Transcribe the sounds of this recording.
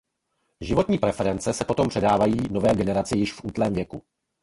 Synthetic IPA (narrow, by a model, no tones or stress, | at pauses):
ʒɪvo̞t̪ɲiːpɾɛfɛɾɛnt͡sɛsɛpo̞t̪o̞mpr̝̥ɛdaːvajiːno̞vɛːɡɛnɛɾat͡sɪjɪʃfʔuːt̪lɛːmvjɛku